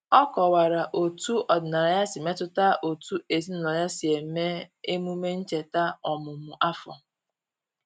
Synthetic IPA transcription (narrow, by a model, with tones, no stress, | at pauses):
ɔ˦kɔ˨wa˨ɾa˨ʔo˨tu˦ɔ˨dɪ˨na˨ɾa˨ja˦sɪ˨me˦tʊ˦ta˦ʔo˨tu˦e˨zi˦na˨nɔ˨ja˦si˨e˨˦me˦e˦mu˦me˦n̩˦t͡ʃe˨ta˦ɔ˨mʊ˨mʊ˨ʔa˦fɔ̰˨